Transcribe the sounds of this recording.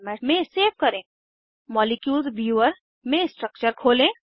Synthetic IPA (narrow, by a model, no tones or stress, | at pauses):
mɛʈmẽseːʋkɐɾẽː | mɔːlɪkjuːlzʋjuəɾ | mẽsʈɾək̚t͡ʃəɾkʰoːlẽː